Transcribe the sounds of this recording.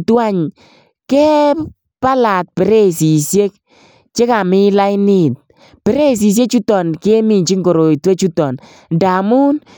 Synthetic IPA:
twa˦ɲ | kɛ˦ | pa˦la˨t̚pɛ˨ɾe˦si˨sje˦k̚ | t͡ʃe˦ka˨mɪ˦la˦jnɪ˦˨t̚ | pɛ˦ɾe˦s̬i˨s̬je˦t͡ʃu˦tɔ˨nke˦mi˨nt͡ʃi˦ŋɡo˨ɾo˨itwe˦t͡ʃu˦tɔ˨n | nda˨mu˦n

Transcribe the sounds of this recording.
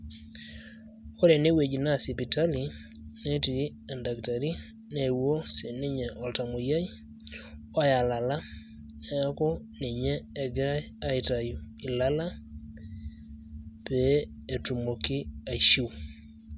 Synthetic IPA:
o˦ɾe˨ne˦we˨d͡ʒi˨na˦si˨pi˨ta˦li˨ne˦ti˨i˦ | ɛ˨nda˨kta˨ɾi˦ | ne˨wo˦se˨ne˦ɲɛ˨ʔɔ˨lta˨mo˨ja˦i˦ | wa˦ja˨la˨la˦ | a˦ko˦ne˨ɲɛː˦˨ɡɾa˦ | a˦i˨ta˨jo˨i˨la˦la˦ | pɛː˦˨ | tu˨mo˨ki˦a˨ʃi˦w

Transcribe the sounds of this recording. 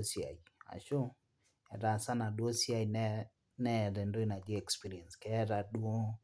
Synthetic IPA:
si˨a̰˨ia̰˨ʃo˦ | ɛ˨ɾa˨sa˦na˨ɗwo˦si˦a˨in | nɛ˦˨ɾɛ˨ndo˦i˦na˨d͡ʒe˦ɛ˨kspi˦ɾi˨ɛ˨nskɛ˦ɾa˨du˦o˦

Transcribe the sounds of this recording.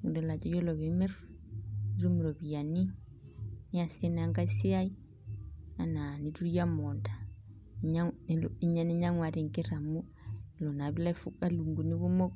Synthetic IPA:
ŋu˨dɔ˨la˨t͡ʃɔ˨˦jɔ˦lɔ˨βɛ˨mi˦r | ɾu˦mi˨ɾɔ˨βi˨ja˨ni˦ | ni˦a˨si˦na˦ŋka˦i˦si˦a˦i˦ | a˨na˨ni˨tu˦i˦ja˦mɔ˨nda˨ | ɲa˦li˨ɲa˨nɛ˦ɲa˦ŋwa˨ɾi˨ŋke˦ɾa˨mu˦ | i˨lɔ˨na˨βi˦la˦i˦fu˦ka˦lu˨ŋɡu˨ni˦βu˦mɔ˦k

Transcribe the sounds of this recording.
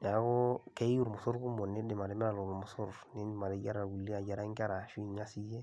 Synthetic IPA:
a˨ɡɔ˦ke˦i˦u˦ɾmo˨so˦ɾɡu˦mo˨ne˦dɪ˨ma˨ɾɛ˨˦mɛ˦a˨lo˨lmɔ˨so˦ɾne˦˨ma˨ɾe˨ɟa˦ɾa˨ɡu˨lːi˦a˨ɟa˨ɾa˦ŋka˦ɾa˨ʃu˦i˨ɲa˦si˦je˦

